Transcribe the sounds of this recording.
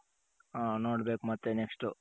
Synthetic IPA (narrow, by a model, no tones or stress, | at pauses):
aːnoːɽbeːkumɐt̪ːeneksʈu